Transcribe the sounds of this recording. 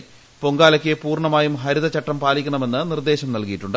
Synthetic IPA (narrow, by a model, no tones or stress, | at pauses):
po̞ŋɡaːlɐkʲːepuːrɳɐmaːjumɦɐɾiðɐt͡ɕɐʈːɐmpaːlikʲːuɳɐme̞nːɨnird̪e̞ːɕɐmnɐlkijiʈːuɳɖɨ